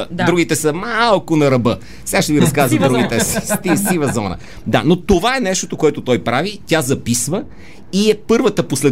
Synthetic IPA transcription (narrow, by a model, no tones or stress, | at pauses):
d̪ɾuɡit̪ɛsəmalˠkʊnɐɾɐbɤ | sɛɡaʃt̪ɛviɾɐskazvɐd̪ɾuɡit̪ɛsist̪isivəzɔnə̰ | d̪a̰not̪ovaɛnɛʃt̪ot̪okoɛt̪ot̪ɔjpɾavit̪ʲazɐpisvə | iɛpɤɾvət̪əposlɛ